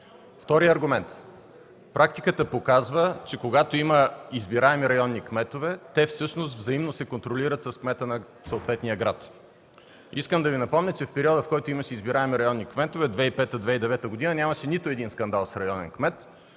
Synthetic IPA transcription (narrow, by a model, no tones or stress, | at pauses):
ft̪ɔɾijəɐɾɡʊmɛnt̪ | pɾʔakt̪ikət̪əpokazvət͡ʃɛkoɡat̪oiməizbiɾaɛmiɾɐjɔnːikmɛt̪ovɛt̪ɛfsɤʃnost̪vzɐimnosɛkont̪ɾoliɾət̪sɐskmɛt̪ənɐ | sɐot̪vɛt̪nijəɡɾat̪ | iskəmd̪ɐvinɐpɔmnʲət͡ʃɛfpɛɾiɔd̪əfkɔjt̪oimɐʃɛizbiɾaɛmiɾɐjɔnːikmɛt̪ovɛd̪vɛipɛt̪əd̪vɛid̪ɛvɛt̪əɡod̪inənʲamɐʃɛnit̪oɛd̪inskɐnd̪alˠsɾɐjɔnɛ̰nkmɛt̪